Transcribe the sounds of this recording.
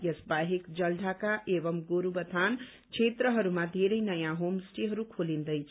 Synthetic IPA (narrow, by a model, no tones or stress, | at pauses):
jʌsbaɦikd͡ʒəlɖʱakaʔeβʌmɡoɾubət̪ʰan | t͡ʃʰet̪ɾəɦʌɾumãd̪ʱeɾəjnəjãɦomsʈeɦʌɾukʰolind̪əjt͡ʃʰ